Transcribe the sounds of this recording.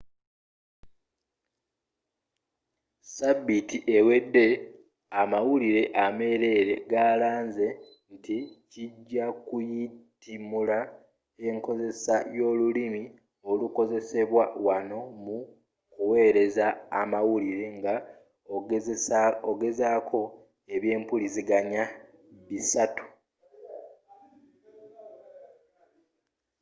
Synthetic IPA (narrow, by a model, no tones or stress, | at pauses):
sabːitiʔe̞we̞dːe̞ | amawuliɾe̞ʔame̞ːɾe̞ːɾe̞ɡaːlaːnze̞ | nticiɟːakujitimula | e̞ŋko̞ze̞sajo̞ːlulimi | o̞luko̞ze̞se̞βwawano̞mu | kuwe̞ːɾe̞zaːmawuliɾe̞ŋɡa | oɡe̞zaːkʰo̞ | e̞βje̞ːmpuliziɡaɲa | βisatu̥